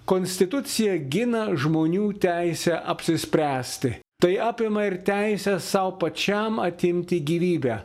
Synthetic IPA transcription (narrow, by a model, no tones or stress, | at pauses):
koːnʲsʲt̪ʲɪt̪ʊt̪sʲɪjɛɡʲɪnɐʒmoːnʲuːt̪ʲæɪsʲɛʔɐpʲsʲɪsʲpʲɾʲæːsʲt̪ʲɪ | t̪ɐɪɑːpʲɪmɐɪɾt̪ʲæɪsʲɛsɐʊpɐt͡ʃʲɛmɐt̪ʲɪmʲt̪ʲɪɡʲiːʋʲiːbʲæː